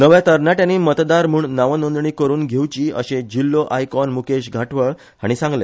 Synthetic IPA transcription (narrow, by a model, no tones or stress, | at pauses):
nəʋjat̪əɾnaʈjãniːmət̪d̪aɾm̤uːɳnaʋənond̪ɳiːkəɾuːnɡʱewt͡ɕiːə̰ɕẽd͡ʑilːoʔajkɔnmukeɕɡʱaʈʰʋəɭ | haɽ̃isãŋɡlḛ